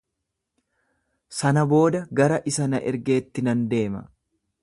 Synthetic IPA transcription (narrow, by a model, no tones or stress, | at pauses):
sɐnɐbo̞ːd̪ɐɡɐɾɐʔɪsɐnɐʔɛɾɡe̞ːt̪ːɪnɐnd̪e̞ːmɐ̰